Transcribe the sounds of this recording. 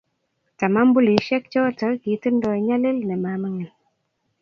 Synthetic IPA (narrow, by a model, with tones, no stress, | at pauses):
ta˨ma˦m˦bu˦li˨˦ʃɛ˦k̚t͡ʃɔ˦tə˨˦ki˨˦tɨ˦ndɔ˨ɲa˦le˦lnɛ˨ma˨˦mə˦ŋɛ˨n